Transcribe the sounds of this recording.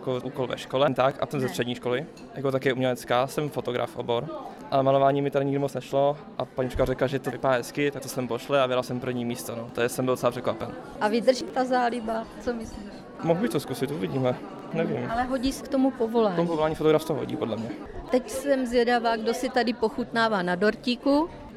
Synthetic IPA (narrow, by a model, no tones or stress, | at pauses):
jjakoʔuːkolvɛ̰ʃkolɛmt̪aka̰t̪ɛmzɛst̪r̥ɛdɲiːʃkolɪ | jakot̪akjɛumɲɛlɛt͡skaːsɛmfot̪oɡɾa̰fʔo̰boɾ | ʔalɛmalovaːɲiːmɪt̪adɪɲɪɡdɪmot͡snɛʃlo | ʔapaɲiːprɛkarɛkaʒɛt̪ovɪpaːɦɛskɪt̪ak̚t̪osɛmpoʃlɛavɛdɾalsɛmpr̩vɲiːmiːst̪onot̪ojɛsɛmbɪldot͡sɛlaprɛkvapɛn | ʔavɪd̪r̩ʒit̪azaːlɪbat͡somɪsliːʃ | moɦubɪxt̪oskusɪt̪ʔuvɪɟiːmɛ | nɛvḭmalɛɦoɟiskt̪omupovolaːt̪omupovolaːɲiːfot̪oɡɾafst̪oɦo̰ɟḭːpodlɛmɲɛ | t̪ɛcsɛmzjɛdavaːɡdosɪt̪adɪpoxut̪naːvaːnadoɾciku